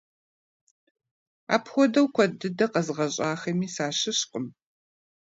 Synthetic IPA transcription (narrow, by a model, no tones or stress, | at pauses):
a̰ːpʰxʷɔdɐwkʷʰɔdɨdɐqɐzʁɐɕʼaːxɐmiːsaːɕɨɕqʼʊm